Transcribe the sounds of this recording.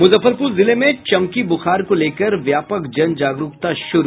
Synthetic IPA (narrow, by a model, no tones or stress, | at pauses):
mʊzəfːəɾpʊɾzɪlemẽt͡ʃɐmkibʊxaːɾkoleːkəɾʋjaːpəkd͡ʒɐnd͡ʒaːɡɾʊkt̪aʃʊɾu